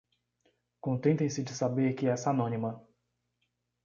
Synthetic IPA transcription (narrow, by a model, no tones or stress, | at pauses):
kõnt̪ẽnt̪ẽj̃sɪd͡ʒɪsabeɾkɪɛsanõnimɐ